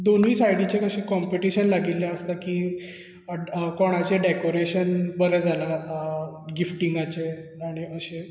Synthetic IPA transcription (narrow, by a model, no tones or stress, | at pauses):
d̪oniːsajɽit͡ɕekəɕiːkɔmpeʈiɕənlaɡilːeəst̪akiː | koɽ̃at͡ɕeɖekoɾeɕənbəɾɛd͡zʱala | ɡifʈiŋɡat͡ɕeaɽ̃iəɕe